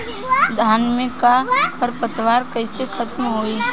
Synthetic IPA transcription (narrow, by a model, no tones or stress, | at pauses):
d̪ʱaːnmẽkakʰəɾpət̪ʋaːɾkəɪsekʰət̪mɦoːi